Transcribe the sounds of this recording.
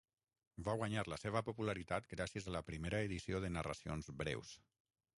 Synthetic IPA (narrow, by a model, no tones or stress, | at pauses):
baɣwaɲaɾləseβ̞əpupulaɾit̪at̪ɡɾasijəzaləpɾimeɾəeðisioðənarə̰sio̰nzbɾɛ̰ws